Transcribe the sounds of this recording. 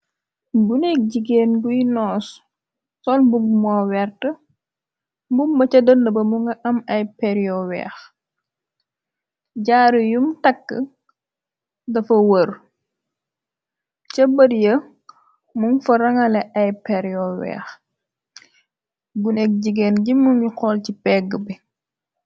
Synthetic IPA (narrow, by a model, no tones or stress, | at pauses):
bunɛk̚ɟiɡeːnɡujnɔːs | sɔnbummɔwɛrtə | mbumbɐt͡ʃɐdəndəbɐmuŋɡɐʔɐmɐjpɛɾjɔwɛ̰ːx | ɟaːɾujumtɐkːə̰ | dɐfɐwər | cɐbədjə | muŋfɐɾɐŋɐlɛʔɐjpɛɾjɔwɛ̰ːx | ɡunɛk̚ɟiɡɛnɟimːuŋiqɔːlcipɛɡːəbi